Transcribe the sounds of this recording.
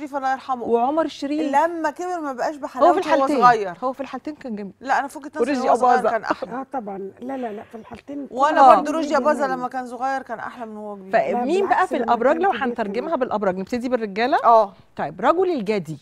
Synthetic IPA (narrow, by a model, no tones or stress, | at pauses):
fiːfælːæeɾˤħɑmweʕomɑɾˤʃɾiːlæmːækebeɾmæbæʔæːʃbeħalhowææfilħalt̪æːɣæjːɑɾˤhowːæfilħalt̪eːnkænɡæmːilæʔænæfoket̪næɾeʔæbɑːzæːnʔa̰ħlæt̪ˤɑbʕɑnlælælæfilħalt̪eːnwælːæod̪oɾoʃiʔæbɑːzɑlæmːækæːnsoɣæjːɑɾˤkæːnʔa̰ħlæmenːhowːæɡebiːfæmiːnbæʔæfilʔɑbɾˤɑːɡlæwħant̪ɑɾˤɡemhæbelʔɑbɾɑːɡneb̥t̪ed̪iberːeɡæːlæʔæː | t̪ˤɑjːebɾˤɑɡolelɡæːd̪i